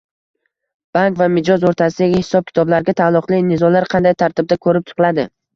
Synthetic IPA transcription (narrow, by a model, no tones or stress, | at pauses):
b̥aŋkvamɪd͡ʒɒzoɾt̪ʰasɪd̪aɡʲɪhɪ̥sɒb̚kʲʰɪ̥t̪ʰɒblaɾɡʲat̪ʰalˠːʊqlˠɪnɪzɒlaɾqʰɑnd̪ajt̪ʰaɾt̪ʰɪb̚d̪akʰɵɾɪp̚t͡ʃ̪ʰɨ̥qlˠad̪ɪ